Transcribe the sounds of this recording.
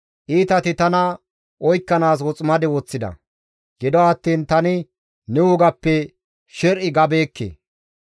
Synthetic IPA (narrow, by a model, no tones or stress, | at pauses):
ʔiːt̪ɐt̪ɪt̪ɐnɐ | ʔɔjkːɐnaːs̬wɔt͡sʼmɐd̪ɪwɔt͡sːɪd̪ɐ̰ | ɡ̥ɪd̪ɔɐt̪ːiːnt̪ɐnɪ | nɛwʊɡɐpːɛ | ʃɛɾʔɪɡɐbe̞ːkːḛ